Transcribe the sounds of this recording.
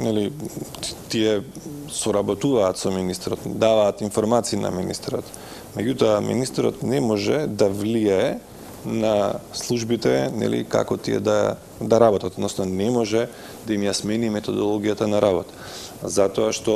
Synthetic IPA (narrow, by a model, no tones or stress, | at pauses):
nɛli | t̪iɛ | sɔɾabɔt̪uvaːt̪sɔminist̪ɛɾɔt̪d̪avaːt̪infɔɾmat̪siːna̰minḭst̪ɛɾɔt̪ | mɛɟut̪ɔamḭnist̪ɛɾɔ̰t̪nɛmɔʒɛd̪avlijaɛ | naslˠuʒbit̪ɛnɛ̰lḭka̰kɔt̪iɛ̰d̪a̰ | d̪aɾabɔt̪at̪oɔd̪noɔsnɔnɛmɔʒɛ | d̪aimjasmɛnimɛt̪ɔd̪ɔlˠɔɡijat̪anaɾabɔt̪ḁ | zat̪ɔaʃt̪ɔ